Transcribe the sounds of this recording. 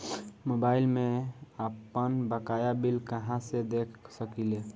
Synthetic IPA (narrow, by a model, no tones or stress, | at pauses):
mobailmẽəpənbəkajabilkəɦãsed̪ekʰsəkile